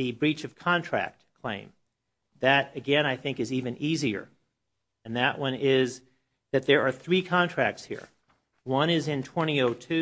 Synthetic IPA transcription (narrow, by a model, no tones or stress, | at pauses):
ɨbɹit͡ʃʌv̥kʰɑ̃ntʰɹ̥æ̰k̚tkʰl̥ḛ̃ɪ̃m | ðɨɾɨɡɛ̃naɪθɪ̃ŋkɨzivɨ̃niziə̰˞ | ɨ̃nðɨʔwʔʌ̃nɪz | ðɨt̪̚ðə˞ə˞θɹikʰɑ̃ntʰɹ̥æk̚tshḭɹ | wʌ̃ñɪzɨ̃ntʰw̥ɛ̃ɾ̃ioʊtʰʉ